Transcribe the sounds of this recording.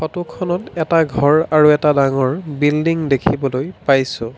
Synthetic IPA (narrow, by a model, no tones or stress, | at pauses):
xɔtukʰɔnɔtɛtaɡʱɔɹaɹuɛtadaŋɔɹbildiŋdekʰibɔlojpajsʊ̃